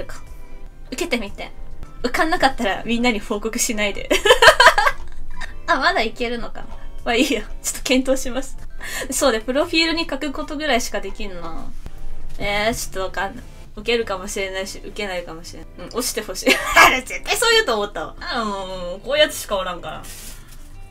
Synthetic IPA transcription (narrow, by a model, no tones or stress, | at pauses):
kḁ | ɯ̟ke̞t̪e̞mʲit̪ḛɯ̟kãnːakat̪ːaɾa̰mʲĩnːaɲ̟iho̞ːko̞kɯ̟̥ɕinaid̪e̞̰ | amad̪aike̞ɾɯ̟no̞ka̰nβaiːjot͡ɕo̥t̪ːokẽ̞nt̪o̞ːɕimasɨ̥d̪eso̞ːd̪epɯ̟ɾo̞ɸʲiːɾɯ̟ɲ̟ikakɯ̟ko̞t̪o̞ɡɯ̟ɾaiɕi̥kad̪e̞kʲiɾɯ̟no | et͡ɕo̥t̪ːoβakãnːa | ɯ̟ke̞ɾɯ̟kamo̞ɕiɾe̞naiɕiʔɯ̟ke̞naikamoɕiɾenɯ̟̃ːo̞ɕi̥t̪e̞ho̞ɕiːaɾezet̪ːaisoːjɯt̪oːmot̪ːaβa̰ɯ̟̃koːjat͡sɨ̥ɕi̥kaoɾãŋkana̰